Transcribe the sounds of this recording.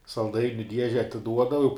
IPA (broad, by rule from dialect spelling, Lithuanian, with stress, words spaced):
sɐlˠˈdɐɪnʲʊ ˈdʲiɛʒʲɛ ɐtʲɪˈduɔdɐʋɐ jɛʊ